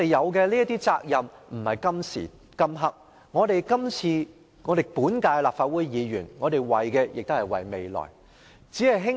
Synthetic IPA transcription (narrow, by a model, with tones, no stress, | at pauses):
te˨jjɐ˨˧wkɛ˧liː˥jɐ˥t̪iː˥t͡saː˧k̚jɐ˨mm̩˨˩hɐ˨jkɐ˥msḭː˨˩ | kɐ˥mɦɐ˥k̚ | ŋɔː˨˧t̪e˨jkɐ˥mt͡sʰiː˧ | ŋɔː˨˧t̪e˨˩jpuː˨˥nkaː˧jlaː˨p̚faː˧t̚wuː˨˥jjiː˨˧jyː˨˩nŋɔː˨˧t̪e˨jwɐ˨jkɛː˧jɪ˨k̚t̪o˥hɐ˨jwɐ̰˨˩jme˨jlɔ̰˨˩j | t͡siː˨˥hɐ˨jɦɪ˥ŋ